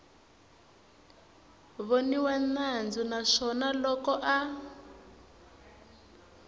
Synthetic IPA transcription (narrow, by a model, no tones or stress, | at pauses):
βoniwanand͡zunaʂɔnalɔkɔʔa